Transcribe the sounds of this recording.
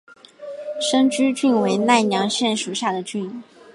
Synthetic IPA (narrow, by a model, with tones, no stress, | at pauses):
ʂɤ˥ŋt͡ɕy˥t͡ɕy˥˩nwe˧˥ɪna˥˩ɪnjɑ˧˥ŋɕjɛ˥˩nʂu˨˩ɕja˥˩d̪ə˩t͡ɕy˥˩n